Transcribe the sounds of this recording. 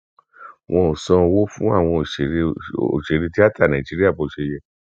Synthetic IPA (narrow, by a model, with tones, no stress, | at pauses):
w̃ʔɔ̃˧o˨sɔ̃˧wo˦fũ˦a˦˨w̃ɔ̃˧˨ʃe˨ɾo̰˨ʃe˨ɾi˧ti˦a˦ta˦˨nã˨i˨d͡ʒi˦ɾi˦a˦˨bo˨˧˦ʃe˧jɛ˧